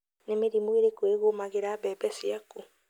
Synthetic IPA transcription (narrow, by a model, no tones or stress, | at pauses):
nemeɾimweɾekweɣomaɣeɾaːbɛːbɛsiaku